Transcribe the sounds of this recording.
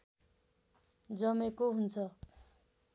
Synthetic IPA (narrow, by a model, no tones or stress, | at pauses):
d͡zʌmekoɦunt͡sʰʌ